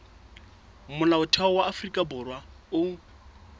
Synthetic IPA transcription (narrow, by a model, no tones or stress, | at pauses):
mʊnaʊtʰɛɔwaːfrikʼabʊrwaʊ